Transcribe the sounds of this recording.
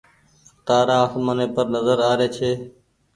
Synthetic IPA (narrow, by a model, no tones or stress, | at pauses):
xt̪aːɾãːəsmənẽːpəɾnəzəɾaːɾeːt͡ʃʰeː